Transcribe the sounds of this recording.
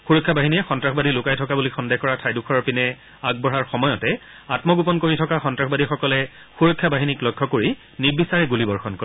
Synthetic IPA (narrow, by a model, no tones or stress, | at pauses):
xuɹɔkʰːjabaɦiniɛxɔntɹaxʰbadilʊkajtʰɔkabulixɔndexkɔɹatʰajdukʰɔɹɔɹpinɛ | aɡ̚bɔɹaɹxɔmɔjɔtɛ | atmɔɡupɔnkoɹitʰɔkaxɔntɹaxbadixɔkɔlɛ | xuɹɔkʰːjabaɦiniklɔjkʰːɔkoɹi | nibisaɹɛɡulibɔɹxɔnkɔɹi